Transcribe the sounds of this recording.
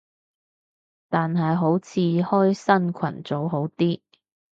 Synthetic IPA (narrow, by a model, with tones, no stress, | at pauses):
t̪aː˨nɦɐ˨jɦo˨˥wt͡sʰiː˨˧hɔː˥jsɐ˥nkʷʰɐ̰˨˩nt͡so˨˥wɦo˨˥wt̪iː˥